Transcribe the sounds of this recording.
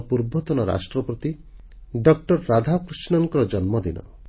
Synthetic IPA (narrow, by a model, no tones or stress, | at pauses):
puɾbɔt̪ɔnɔɾa̰sʈɾɔpɔt̪i | ɖɔkʈɔɾːad̪ʱakɾisnɔŋkɔɾɔd͡ʒɔnmɔd̪inɔ̰